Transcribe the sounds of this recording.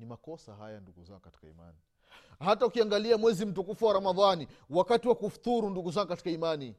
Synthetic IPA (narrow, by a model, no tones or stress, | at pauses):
nimakɔsa̰ha̰janduɡuza̰ŋɡkati̥kaḭma̰ni | hataukiaŋɡaliamwɛzim̩t̬ukufuwaɾamaðaniwakatiwakufu̥t̪uɾunduɡuzaŋɡukati̥kaimani